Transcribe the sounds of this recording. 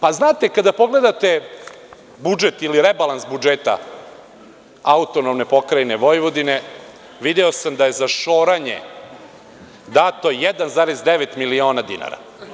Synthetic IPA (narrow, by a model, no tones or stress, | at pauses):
paznaːt̪ekad̪apo̞ɡle̞d̪at̪e̞ | bud͡ʒet̪iliɾebalˠansbud͡ʒet̪a̰ | aut̪onomne̞po̞kɾajneʋo̞jʋod̪ine | ʋid̪eosamd̪aje̞zaʃo̞ːɾaɲḛ | d̪aːt̪o̞jed̪anzaːɾezd̪eʋet̪milio̞ːnad̪ḭna̰ɾa̰